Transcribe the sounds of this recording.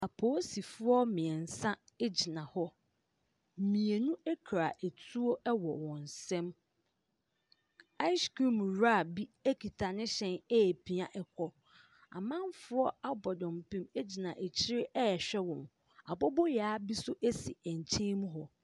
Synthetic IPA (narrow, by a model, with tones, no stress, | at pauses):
a˨pʰoː˨˦si˨fʊ˦ɔ˦mɪ̃˨ɛ˨n̩˨sã˦e˦d͡ʑi˨nã˨hɔ˦˨ | mĩ˨e˨nũ˦ɛ˦kʰɾa˨ʔe˨tʰu˦o˦ɛ˦wɔ˨wɔ̃˨n˨sɛ̃˦m | a˦ɪ˦sku˦˨mɾa˦˨bi˦æ˦kʰi˨tʰa˨nɪ̃˦ɕɛ̃˦˨nɛ˦˨pʰi˨ã˨ʔɛ˨kʰɔ˦ | a̰˨mã˦mfʊ˦ɔ˦a˦bɔ˨dɔ̃˨mpʰĩ˦me˦d͡ʑi˨nã˨ʔe˨t͡ɕʰɪ˦ɾɪ˦ʔɛ˦ɛ˨ɕᶣɛ˦wɔ̃˨n | a˨bɔ˦bɔ˦ja˦bi˦sʊ˦ʔe˦si˨ɛ˨ɲ˨t͡ɕʰẽ˦mũ˦ɦɔ˦